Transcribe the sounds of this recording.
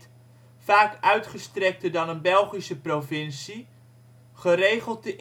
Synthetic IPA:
faːkœɥtχəstrɛk̚tərdɑnənbɛlˠχisəprovɪnsi | χərejχəlˠt̚dəʔ

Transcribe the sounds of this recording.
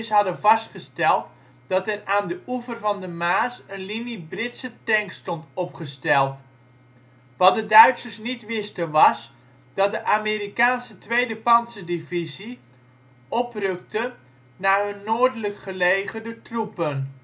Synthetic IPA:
sɦɑdəvɑstχəstɛlˠt | d̥ɑtɛraːndəʔuvərvɑndəmaːsənlinibrɪtsətɛŋkstɔntɔpχəstɛlˠt | ʋɑt̚dədœɥtsərsnitʋɪstənʋɑs | d̥ɑt̚dəʔameɾikaːnsətʋejdəpɑnsədivizi | ʔɔprøk̚tə | naːɦɵnːoːdələkχəleːɣəndətrupən

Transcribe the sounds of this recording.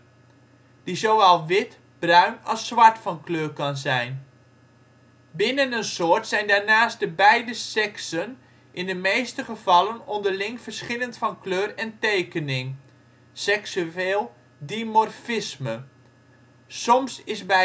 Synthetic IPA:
d̥izoʋɛlˠʋɪt | b̥rœɥnɑsːʋɑɹtfɑnkløːɹkɑnzɛjn | bɪnənənsʊːɹtsɛjndaːɹnaːstdəbɛjdəsɛksən | ʔɪndəmejstəχəv̥ɑlənɔndəɹlɪŋfərsχɪləntfɑnkløːrɛntejkənɪŋ | sɛksyeːlˠ | dimɔrfɪsmə | sɔmsɪsbɛ

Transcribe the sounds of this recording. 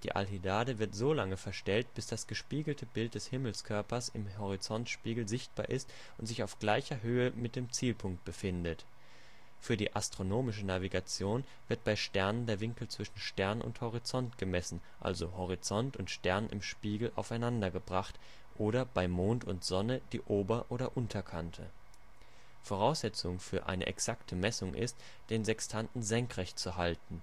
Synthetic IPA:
d̥ḭːʔa̰lɦidaːdəvɪɐtz̥oːlaŋəfɛɐʃtɛlt̚b̥ɪsd̥asɡ̥əʃpiːɡl̩tʰəbɪlt̚d̥ɛshɪml̩skʰœɐpɐsɪmhɔʁ̞it͡sɔntʃpiːɡl̩zɪçt̚b̥a̰ːɐʔɪst | ʔʊntz̥ɪçaʊfɡ̥laɪçɐɦøːəmɪt̚d̥eːmt͡siːlpʰʊŋk̚t̚b̥əfɪndət | fyːɐdiːʔastʁ̥onoːmɪʃ̬ənaviɡat͡sjoːn | vɪɐt̚b̥aɪʃtɛɐnəndeːɐvɪŋkl̩t͡sv̥ɪʃn̩ʃtɛɐnʊ̰nthɔʁ̞it͡sɔntɡ̥əmɛsn̩ | ʔa̰lzohɔʁ̞it͡sɔntʊntʃtɛɐnɪ̰mʃpiːɡl̩ʔa̰ʊfaɪnandɐɡəbʁaχt | ʔoːɾɐb̥aɪmoːntʊntz̥ɔnəd̥iːʔoːbɐʔoːɾɐʔʊntʰɐkʰantʰə̰ | foʁ̞aʊsz̥ɛt͡sʊŋfyːɐʔa̰ɪnə̰ʔɛ̰ksaktʰəmɛsʊŋʔɪ̰st | d̥eːnzɛkstʰantn̩zɛŋkʁ̥ɛçt͡suɦaltn̩

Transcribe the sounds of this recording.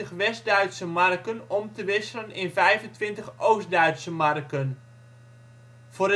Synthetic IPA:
əχʋɛs̚dœɥtsəmɑrkənɔmtəʋɪsələnɪnvɛjvəntʋɪntəxʔowsdœɥtsəmɑrkən | v̥ʊːɾə

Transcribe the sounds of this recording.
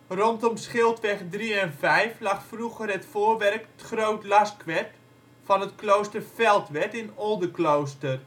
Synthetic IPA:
rɔntɔmsχɪlˠtʋɛχdriɛnvɛjflɑχfruɣərətfoːrʋɛrkətχrowtlɑskʋɛt | fɑnətklowstərfɛlˠtʋɛtɪnɔlˠdəklowstər

